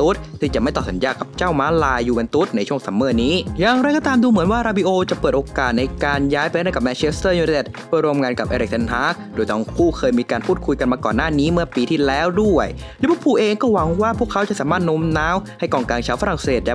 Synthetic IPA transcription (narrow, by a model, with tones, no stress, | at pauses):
t̪u˦˥t̪̚ʰiː˥˩t͡ɕa˨˩ma˥˩t̪ɔː˨˩sa˨˦njaː˧˩ka˨˩p̚t͡ɕa˥˩wmaː˦˥laː˧jːuː˨˩we˧nt̪u˦˥t̪̚na˧jt͡ɕʰu˥˩əŋsa˩˦mːɤː˧˩niː˦˥jaː˨˩ŋɾa˧jkɔː˥˩t̪aː˧mduː˧mɯ˩˦nwaː˥˩ɾaː˧bi˧ʔoː˧t͡ɕa˨˩pɤː˨˩t̪ʔoː˧kaː˨˩t̪̚na˧jkaː˧njaː˦˥jpe˧˥˦ɾa˥˩ka˨˩p̚mɛː˧nt͡ɕʰe˦˥st̪ɤː˥˩juː˧e˨˧˩t̪̚pʰu˥˩ɾu˧əmŋaː˧nka˨˩p̚ʔeː˧ɾe˨˩k̚sʰe˧nɦaː˦˥kdoː˧jt̪ɔ˧˥˩ŋkʰuː˥˩kʰɤː˧jmiː˧kaː˧npʰuː˥˩kʰu˧jka˧nmaː˧kɔ̰ː˨˩nːaː˥˩niː˦˥mɯ˥˩ɐpiː˧t̪ʰiː˥˩lɛː˦˥wdu˥˩əj | lɛː˧˦˥pʰu˥˩pʰuː˧˩ʔeː˧ŋkɔː˥˩wa˨˦ŋwaː˥˩pʰu˥˩əkʰːa˦˥wt͡ɕa˨˩ʔsaː˩˦maː˥˩t̪̚no˦˥mnaː˦˥wha˥˩jkɔː˧˩ŋkaː˧ŋt͡ɕʰaː˧˥˩wfa˧ɾa˨˩ŋseː˨˩t̪̚lɛ˦˥